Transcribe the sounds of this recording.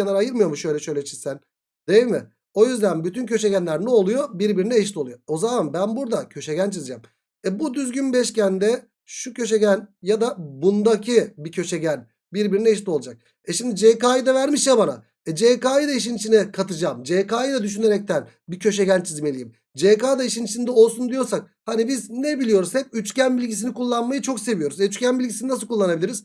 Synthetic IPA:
anaɾajɯɾmɯjo̞muʃø̞jlʲɛʃøjlʲɛt͡ʃʰi̥z̥sæn | d̪̥ejimɪ | o̞jyzd̪ænbyt̪ʰyncʰø̞ʃeɟænlʲæɾnɛolˠujo̞biɾbiɾinɛːʃlʲio̞lˠujoo̞zamanbænbuɾd̪acʰø̞ʃeɟænt͡ʃʰizid͡ʒaːm | ɛbud̪yzɟynbɛʃcænd̪ɛ | ʃucʰø̞ʃeɟænjad̪abund̪acʰibicʰø̞ʃeɟæn | biɾbiɾinɛːʃ̬lʲio̞lˠad͡ʒak̚ | ɛʃimd̪id͡ʒekaːjid̪avæɾmiʃjabana̰ | ɛd͡ʒekaːjd̪aiʃ̬init͡ʃʰinɛkʰat̪ʰɯd͡ʒaːmd͡ʒekaːjd̪ɛd̪yʃ̬yne̞ɾɛc̚t̪ʰæn | bicʰø̞ʃ̬eɟænt͡ʃʰizme̞lʲijim | d͡ʒekaːd̪aiʃinit͡ʃʰind̪ɛo̞lˠsund̪ijo̞ɾsak̚hanibiznɛbilʲijo̞ɾuzɛcyt͡ʃcænbilʲɟisinikulˠːanmajɯt͡ʃʰo̞kse̞vijo̞ɾuzɛyt͡ʃcænbilʲɟisininasɯlˠkʰulˠːanabilʲiɾiz̥

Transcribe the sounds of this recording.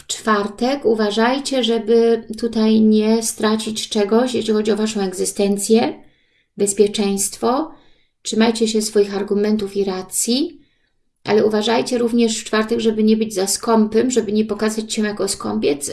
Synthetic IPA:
ft͡ʂfaɾt̪ɛkuvaʐajt͡ɕɛʐɛbɘt̪ut̪ajɲɛst̪ɾat͡ɕit͡ɕt͡ʂɛɡɔɕjeɕlʲixɔd͡ʑiɔvaʂɔ̃w̃ɛɡzɘst̪ɛnt̪sʲjɛ | bɛspʲjɛt͡ʂɛj̃st̪fɔ | tʂɘmajt͡ɕɛɕɛsfɔjixaɾɡumɛnt̪ufiɾat̪sʲji | ʔa̰lɛuvaʐajt͡ɕɛɾuvɲɛʂft͡ʂfaɾt̪ɛɡʐɛbɘɲɛbɘd͡ʑzaskɔmpɛmʐɛbɘɲɛpɔkazat͡ɕɕɛjakɔskɔmpʲjɛt̪s

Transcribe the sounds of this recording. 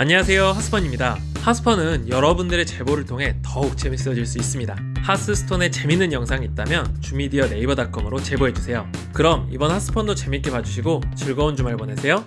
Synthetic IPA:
aɲeasʰe̞johas͈ʰɯ̥pʰʌɲimɲida | has͈ʰɯ̥pʰʌnɯnjʌɾʌbundɯɾe̞t͡ɕe̞boɾɯɭtʰoŋɦe̞tʌuk̚t͡ɕ͈e̞mis͈ʌd͡ʑiɭs͈uis͈ɯmɲida | has͈ʰɯsʰɯ̥tʰone̞t͡ɕe̞minːɯnjʌŋsʰaŋit̚t͈amjʌnt͡ɕumidiʌne̞ibʌdak͈ʌmɯɾot͡ɕe̞boɦe̞d͡ʑusʰe̞jokɯɾʌmibʌnhas͈ʰɯ̥pʰʌndot͡ɕe̞mik͈e̞pad͡ʑuɕʰiɡot͡ɕɯɭɡʌond͡ʑumaɭpʌnesʰe̞jo

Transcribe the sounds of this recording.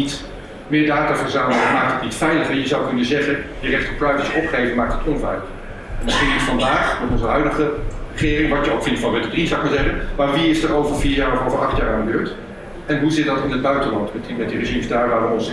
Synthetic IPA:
it | mɪːɹdaːtaːfəɹzaːməəmaːk̚tətnitfɛjləχɛjəzɑwkɵnənzɛχənjərɛχtəpɹajfəsjəʔɔpχejvənmaːk̚tətɔnvɛjləχ | ɛndɑnsɪjəfɑndaːχmɛtɔ̃nzəɦœɥdəχərəχɪːrɪŋʋɑtjəowkfɪntfɑnbɛtədriz̥ɔwɪk̚maːɹzɛχənmaːɹʋiɪsdaːɹowvəɹviːɹjaːɹɔovəɹʔɑχtjaːɹaːndəbøːɹt | ɛnɦuzɪt̚dɑtɪnəd̚bœɥtəlɑntbətinmɛtdirəʒimzdaːɹʋaːɹʋəɔns

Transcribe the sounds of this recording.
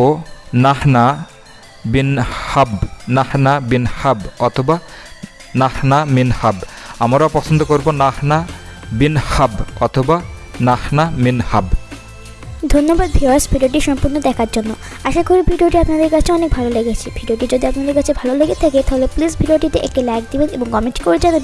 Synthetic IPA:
onahna | binhabnahnabinhabɔt̪ʰoba | nahnaminhabamaɾapɔsʰond̪okoɾbonahnabinhabɔt̪ʰobanahnaminhab | d̪ʱonːobad̪bʱiɔsbʱiɖioʈ̬iʃɔmpoɾnod̪ɛkʰaɾd͡ʑonːo | aʃakoɾebʱiɖioʈiapnad̪eɾkat͡ɕʰeɔnek̚bʱaloleɡet͡ɕʰibʱiɖioʈid͡ʑod̪iapnad̪eɾkat͡ɕʰebʱaloleɡet̪ʰɛket̪aɦoleplisbʱiɖioʈit̪eʔḛk̚ʈilɛɡ̚d̪ibenḛboŋkɔmenʈkoɾed͡ʑan

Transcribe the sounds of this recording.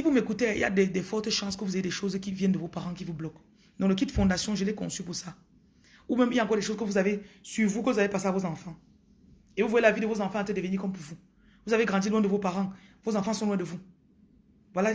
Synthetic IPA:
sivumekut̪eḭlja̰d̪ɛd̪ɛfɔʁt̪ʃɑ̃skəvuzajed̪ɛʃozkʲivjɛnd̪əvopaʁɑ̃kivublɔk | d̪ɔ̃ləkit̪əfɔ̃d̪asjɔ̃ʒəlɛkɔ̰̃sypuʁsa | umɛ̃miljaɑ̃kɔʁd̪ɛʃozkəvuzavesyvukəvuzavepaseavozɑ̃fɑ̃ | evuvwajelavid̪əvozɑ̃fɑ̃at̪əd̪evənikɔmpuʁvu | vuzaveɡʁɑ̃d̪ilwɛ̃dəvopaʁɑ̃vozɑ̃fɑ̃sɔ̃lwɛ̃d̪əvu | vwala

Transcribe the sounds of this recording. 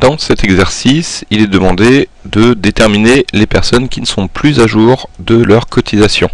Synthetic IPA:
d̪̥ɑ̃sɛt̪ɛɡzɛʁsisilɛd̪əmɑ̃d̪ed̪əd̪et̪ɛʁminelepɛʁsɔnkʲinəsɔ̃plyzaʒuʁd̪əlœʁkʰɔt̪ʰizasjɔ̃

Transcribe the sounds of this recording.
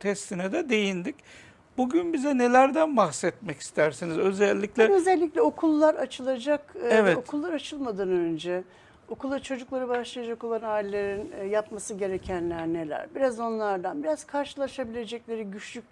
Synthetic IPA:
t̪ʰɛst̪ʰinɛd̪ɛd̪e̞jind̪ic | buɟynbizɛne̞lʲæɾd̪ænbaxsɛt̪mɛci̥st̪ʰæɾsinizø̞zɛlʲːiclʲɛøzɛlʲːiclʲɛo̞kʰulˠːaɾat͡ʃʰɯlˠad͡ʒakɛvɛto̞k̪kʰulˠːaɾat͡ʃʰɯlˠmad̪ɯːnønd͡ʒɛ | o̞kʰulˠːaɾt͡ʃʰo̞d͡ʒuklˠaɾɯbaʃlˠajad͡ʒako̞lˠanaːilʲːe̞ɾinjapmasɯɟe̞ɾecʰænlʲæɾne̞lʲæ̰ɾbiɾazo̞nlˠaɾd̪anbiɾaz̥kʰaɾʃɯlˠaʃabilʲe̞d͡ʒɛclʲe̞ɾiɟyt͡ʃlʲyc̚ʲ

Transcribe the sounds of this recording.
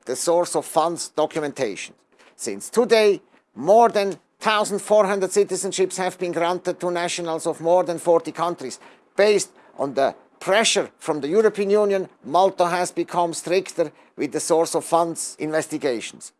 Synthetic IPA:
ðəsɔɹsɔv̥fʌ̃ndz̥d̥ɔkʰjmɛ̃ntʰeɪʃn̩ | sɪ̰̃nstʰudeɪ | mɔɹðɨ̃n | θaʊzn̩d̥fɔɹɦʌ̃ndəd̥sɪtɪzə̃nʃɪpshɨvbĩnɡɹãntɨd̚tʰunæʃənəlˠzɔvmɔɹðə̃nfɔɹtikʰʌ̃ntɹiz̥ | b̥eɪst | ʔn̩ðə | pʰɹ̥ɛʃə˞fɹɔ̃mðəjuɹopʰiːə̃njũnjə̃nmɔlˠtoɦæzbɨkʰʌ̃mstɹɪktə˞ | wɪðəsɔɹsɔv̥fʌ̃ndzɪ̰̃nvɛstɪɡeɪʃn̩s

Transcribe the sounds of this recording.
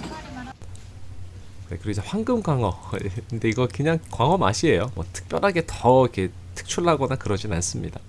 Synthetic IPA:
nḛkɯɾisʌɸwaŋɡɯmɡwaŋʌkɯnde̞iɡʌkɯɲaŋkwaŋʌma̰ɕʰiejomwʌtʰɯ̥k̚p͈jʌɾɦaɡe̞tʌike̞ | tʰɯ̥k̚t͡ɕʰuɭɦaɡʌnakɯɾʌd͡ʑinans͈ɯmɲḭda

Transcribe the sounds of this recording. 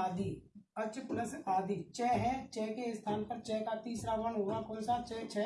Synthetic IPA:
aːd̪iːət͡ʃpʊɾəsaːd̪iːt͡ʃɛːɦɛːt͡ʃɛːkeːst̪ʰaːnpəɾt͡ʃɛːkaːt̪iːsɾaːʋəɳɦoːɾãːkʊnsaːt͡ʃɛːt͡ʃʰɛː

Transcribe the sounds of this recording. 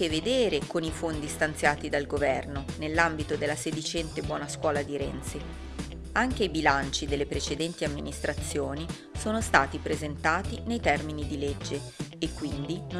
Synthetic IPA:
eved̪eːɾekonifond̪ist̪ant̪sjaːt̪id̪alɡovɛrnonelːambit̪od̪elːased̪it͡ʃɛnt̪ebwɔːnaskwɔːlad̪iɾɛ̰nt̪si | aŋk̟eibilant͡ʃid̪elːepɾet͡ʃed̪ɛnt̪iamːinist̪ɾat̪sːjoːni | soːnost̪aːt̪ipɾezent̪aːt̪inejt̪ɛrminid̪iled͡ʒːeːkːwind̪in

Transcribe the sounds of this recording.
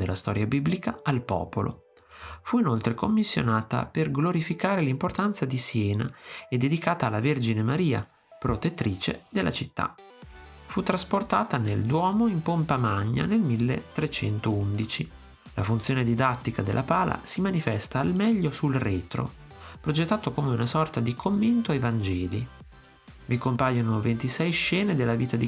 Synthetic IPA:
d̪elːast̪ɔːɾjabiblikaalpɔ̰ːpolʔo̰ | fuinolt̪ɾekomːisːjo̰naːt̪a̰perɡloɾifikaːɾelimport̪ant̪sad̪isjɛːnaed̪ːed̪ikaːt̪aːlːaverd͡ʒinemaɾiːa̰ | pɾot̪et̪ːɾiːt͡ʃḛd̪elːʔat͡ʃit̪ːa̰ | fut̪ːɾasport̪aːt̪aneld̪wɔːmoimpompamaɲːa̰nelmilːḛt̪ːɾet͡ʃɛnt̪ound̪it͡ʃi | la̰funt̪sjoːned̪id̪at̪ːikad̪elʔapaːla̰simanifɛst̪aːlmɛʎːosulrɛːt̪ɾo̰ | pɾod͡ʒet̪ːaːt̪okomeunasɔrt̪ad̪ikʰomːent̪oajvand͡ʒɛːli | vikompajonovent̪isɛjʃɛːned̪elːaviːt̪ad̪i

